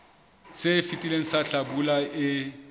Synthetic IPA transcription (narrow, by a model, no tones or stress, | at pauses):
sɪfitʼileŋ̩saɬabulaɪ